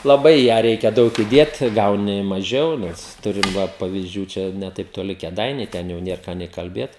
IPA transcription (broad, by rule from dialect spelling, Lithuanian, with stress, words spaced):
lˠɐˈbɐɪ ɪ ˈjæː ˈrʲɛɪkʲɛ ˈdɐʊk ɪˈdʲeːt ˈɡɐʊnʲɪ mɐˈʒʲɛʊ ˈnʲɛs ˈtʊrʲɪm ˈʋɐ pɐʋʲɪzʲˈd͡ʒʲuː ˈt͡ʃʲɛ nʲɛ tɐɪp toːˈlʲɪ kʲeːˈdɐɪnʲɛɪ ˈtʲɛn jɛʊ ˈnʲiɛr kɑː nʲeː kɐlʲˈbʲeːt